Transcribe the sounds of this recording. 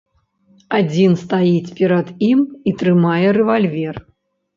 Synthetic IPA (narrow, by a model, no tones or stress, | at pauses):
ad͡zʲinst̪ajit͡sʲpʲɛɾɐd̪imit̪ɾɨmajɛɾɛvalʲvʲɛr